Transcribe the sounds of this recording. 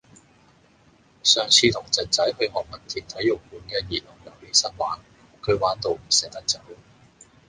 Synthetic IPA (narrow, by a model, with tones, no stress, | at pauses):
sœː˨ŋt͡sʰiː˧t̪ʰʊ˨˩ŋt͡sɐ˨t̚t͡sɐ˨˥jhɵ˧ɥhɔː˨k̚mɐ˨˩nt̪ʰiː˨˩nt̪ʰɐ˨˥jːʊ˨˩k̚puː˨˥nkɛː˧jiː˨˩lʊ˨˩ŋjɐ˨˩wliː˥sɐ˥t̚waː˨˥n | kʰɵ˨˧ɥwaː˨˥nt̪o˨˧wm̩˨˩sɛː˨˥k̚t̪ɐ˥k̚t͡sɐ˨˥w